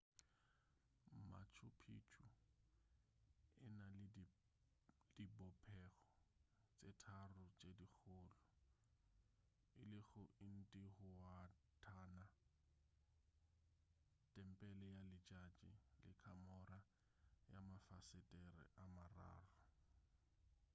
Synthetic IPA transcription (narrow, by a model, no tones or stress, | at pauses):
ma̰t͡ʃʰʊpʰḭt͡ʃʰu | ɪ̰na | d̥ibɔpʰɛɣɔ | t͡sʼetʰarʊt͡sʼedik͡xʰʊːlʊ | ɪlɪɣʊɪn̩tʼɪhʊwatʰaːna | tʼɛm̩pʼɛlɛjalɪt͡ʃʼat͡ʃʼḭlɪ̰kʰamɔra | ja̰mafasɪtʼɛrɛ̰ʔamara̰ːrʊ